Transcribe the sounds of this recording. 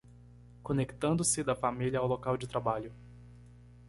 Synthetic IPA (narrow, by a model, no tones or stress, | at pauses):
kõnekt̪ɐ̃nd̪ʊsɪd̪ɐfamiljɐːwlokawd͡ʒɪt̪ɾabaʎʊ